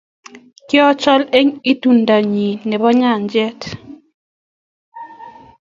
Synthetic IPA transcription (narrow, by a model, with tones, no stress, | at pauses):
kɪ˦ɔ˦t͡ʃɔ˦le˦ŋi˦tu˨nda˨ɲi˨nɛ˨bɔ˦ɲa˦˨nd͡ʒɛ˦t